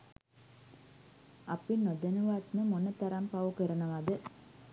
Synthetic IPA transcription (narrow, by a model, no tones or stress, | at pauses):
apinod̪enuʋat̪nəmonət̪aɾampaʋukəɾənəʋad̪ə